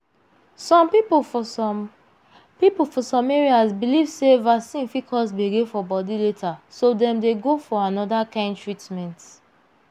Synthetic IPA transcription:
sɔ̃mpipofɔ | pipolfɔsɔ̃meɹiasbilivsevasĩnfikʰɔsbiɡefɔbɔdiletʰasodɛ̃mdeɡofɔanɔdakãɪ̃ndtɹitmɛ̃nt

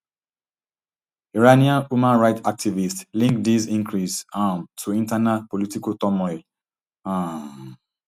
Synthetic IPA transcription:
iɹaniãnhumãnɹaɪtak̚tʰivistlĩŋk̚dizĩŋkɹisãntʰuĩntanapolitikotɔmɔɪl | ã

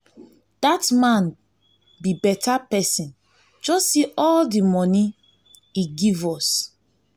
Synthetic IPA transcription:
d̥atmãn | bibɛtapɛsĩn | d͡ʒɔssiʔɔldimɔni | iɡivɔs

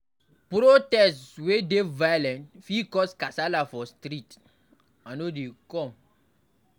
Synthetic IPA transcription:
pɾotɛstswedevajolɛ̃ntfikɔskasalafɔstɾit | anodekɔ̃m

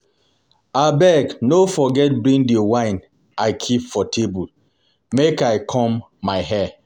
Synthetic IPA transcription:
abɛɡnofɔɡɛt̚bɹĩŋdewãɪ̃n | aɪkʰipfɔtʰebul | mekaɪkʰɔ̃mː | aɪɦɛ

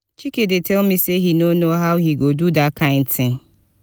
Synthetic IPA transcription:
t͡ʃikedɪtelmiseɦinonoɦaʊɦiɡodudakãɪ̃n̩tɪ̃ŋ

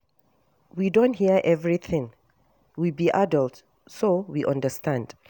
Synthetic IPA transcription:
widõnthiəʔɛvɹiθɪ̃ŋ | wibiʔadəlt | sowiʔãndəstʰãnd̥

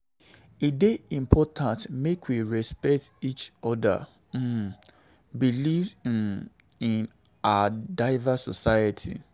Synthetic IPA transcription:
ideĩmpʰɔtʰãntmekwiɹɛspɛk̚tit͡ʃɔda̰ | biliv | ĩnadaɪvasɔsajətʰḭ

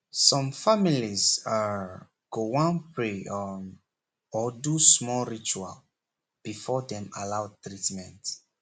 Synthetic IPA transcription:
sɔ̃mfamiliza | ɡ̥owãnpɹeɔ | ɔdusmɔlɹit͡ʃua̰l | b̥ifɔdɛ̃malawtɹitmɛ̃nt

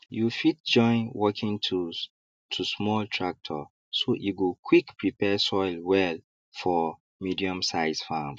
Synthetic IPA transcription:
jufit̚d͡ʒɔ̃ɪ̃nwɔkʰĩŋtʰu | tʰusmɔltʰɹak̚tʰɔ̰ | sojuɡokʰwikpɹipɛsɔɪlwɛl | fɔ | midiɔ̃msaɪz̥fam

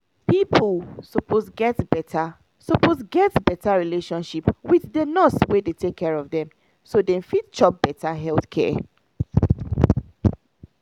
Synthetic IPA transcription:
pipʰlsopʰozɡɛtbɛta | sopozɡɛtbɛtaɹileʃɔ̃nʃipwiθdenɔswedetʰekʰːɛɹɔvdɛ̃m | sodɛ̃nfit̚t͡ʃɔp̚b̥ɛtaɦɛlˠθkʰɛ̰

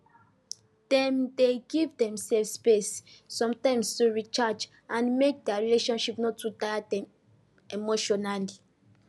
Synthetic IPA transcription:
d̥ɛ̃mdeɡivdɛ̃msɛlfspesːɔ̃mtãɪ̃mstuɹit͡ʃad͡ʒ | ãnmek̚dɛaɹileʃɔ̃nʃipnɔtːutajadɛ̃m | emoʃɔnali

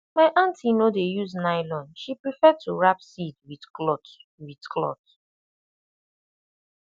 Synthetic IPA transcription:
maɪʔãntʰinodejuznaɪlɔ̃nʃipɹifɛtʰuɹapsidwidklɔtwidkʰlɔ̰t

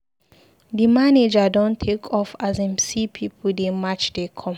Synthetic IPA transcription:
dimaned͡ʒadɔ̃ntʰekʰɔfazãmsipʰipʰudemat͡ʃdekʰɔ̃m

